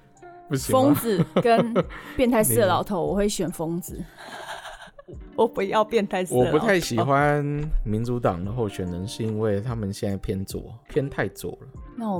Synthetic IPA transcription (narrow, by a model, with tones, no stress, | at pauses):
pu˥˩ɕifo˥ŋd͡z̩˨kə˦npjɛ˥˧nt̪ʰa˥˧ɪs̩˥˨ə˨˩lɑ˨˦ʊt̪ʰo˧˦ʊwɔ˨˩xwe˥˩ɪɕɥɛ˨˩nfo˥ŋd͡zɹ̩˨ | wɔ˨˩pu˨˦jɑ˥˧ʊpjɛ˥˧nt̪ʰa˥˧ɪswɔ˨˩pu˧˦t̪ʰa˥˩ɪɕi˨˦xwa˦nmi˧˥nt͡su˧˥t̪ɑ˨˩ŋd̪ə˦xo˥˩ʊɕɥɛ˨˩nə˧˦ŋʂɻ̩˥˧i˦˥nwe˥˩ɪt̪ʰa˦˥mə˨nɕjɛ˥˧na˥˩ɪpʰjɛ˥nt͡swɔ̰˨˩pʰjɛ˥nt̪ʰa˥˧ɪt͡swɔ̰˨˩˦lə˨˦na˥˩˨